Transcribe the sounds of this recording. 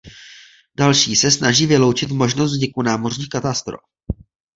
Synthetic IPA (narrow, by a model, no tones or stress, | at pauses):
dalʃiːsɛsnaʒiːvɪlo̞wt͡ʃɪt̪mo̞ʒnos̬t̪vɲɪkunaːmorɲiːxkat̪ast̪ɾo̰f